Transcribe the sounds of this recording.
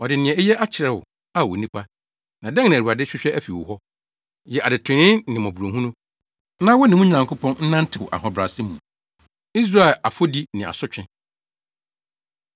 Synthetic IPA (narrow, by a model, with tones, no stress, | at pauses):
ɔ˨dɪ˨nɪ̃˨ɛ̃˨ɛ˦jɛ˦ʔa˦t͡ɕʰɪ˨ɾɛ˨wʊ̰˨ | a˦wɔ̰˨nĩ˦pʰa˦ | nã˨dɛ̃˦ŋnɪ̃˨u˨a˨dɪ˦ɕᶣɪ˦ɕᶣɛ˦æ˦fi˨wɔ̰˨ɦɔ˦ | jɛ˨ʔa˨dɪ˨tʰɪ̃˨nɪ̃˦nnɪ̃˨mɔ̃˨bu˨ɾõ˨ɦũ˦nʊ̃˦ | nã˦wɔ˦nɪ̃˨ʊ̃˦ɲ̩˦nã˨ŋkʰʊ˦pʰɔ̃˦nn̩˦nã˦n̩˦tʰɪ˨wʔa̰˨hɔ̃˨bɾa˨sɪ˦mṵ̃˨ | i˦s̬ɾa˦˨ɛ˨la˨fo˦di˦nɪ̃˨a̰˨sʊ˦t͡ɕᶣɪ̃˦